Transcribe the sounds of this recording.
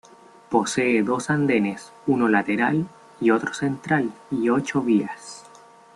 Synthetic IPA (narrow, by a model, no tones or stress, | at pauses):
po̞seːðo̞sand̪e̞nes | unolat̪eɾal | io̞t̪ɾo̥se̞nt̪ɾalio̞t͡ʃoβias